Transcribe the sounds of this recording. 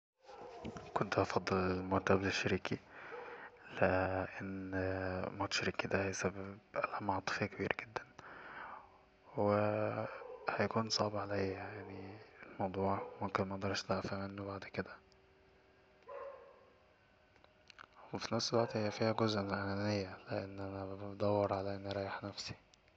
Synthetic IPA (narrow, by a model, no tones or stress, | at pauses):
kont̪æʔɑfɑd̪ˤːelelmoɾt̪æbeleʃːaɾiːki | leʔenː | mʊt̪ʃɾiːkid̪æhæjsæbebʔlæmɑʕt̪ˤɨ̥fɑkebiːɾʔɡed̪ːæn | we | hæjækuːnsˤɑ̰ʕbʕalæjjaʕnilmɑwd̪ˤuːʕmomkenmæʔɑʔd̪ˤɑɾˤʃt̪æfæmenːobaʕd̪ked̪æ | wefinæfselwæʔt̪hejːæfiːhæɡozʔmenelʔænælejːæleʔenːʔænæbbed̪ˤæwːɑɾˤʕalæʔenːɾˤɑːjeħnæfsi̥